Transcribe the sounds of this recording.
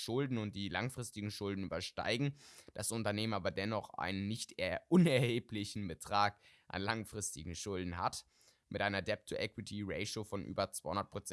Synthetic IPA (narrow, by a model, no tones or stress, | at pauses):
ʃʊldn̩ʊnt̚d̥iːlaŋfʁ̥ɪstɪɡŋ̩ʃʊldn̩y̰ːbɐʃta̰ɪɡŋ̩d̥asʔʊntɐneːmənʔaːbɐdɛnɔχʔa̰ɪnənːɪçtʔʊnɛɐheːplɪçn̩bətʁ̥aːkʔa̰nlaŋfʁ̥ɪstɪɡŋ̩ʃʊldn̩ɦa̰t | mʔɪtʔaɪnɐdɛp̚tʰuʔɛkwɪtʰiʁeɪʃofɔnʔy̰ːbɐt͡sv̥aɪhʊndɐtpʁ̥ot͡s